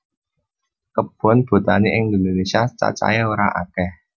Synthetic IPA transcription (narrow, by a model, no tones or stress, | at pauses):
kəb̥ɔ̤nb̥o̤t̪aneʔɪŋnd̪ononesiat͡ʃa̰t͡ʃa̰jɛoɾaʔa̰kɛh